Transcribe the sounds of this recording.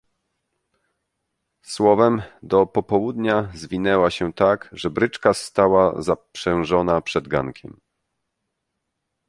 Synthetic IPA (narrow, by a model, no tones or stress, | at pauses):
swɔvɛmd̪ɔpɔpɔwud̪ɲazvʲinɛwaɕɛt̪akʐɛbɾɘt͡ʂkast̪awazapʂɛ̃w̃ʐɔnapʂɛd̪ɡa̰ŋkʲʰɛ̰m